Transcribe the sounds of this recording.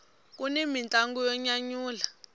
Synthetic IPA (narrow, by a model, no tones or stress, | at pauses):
k̬ʼunimint͡ɬʼaŋɡujɔɲaɲuːla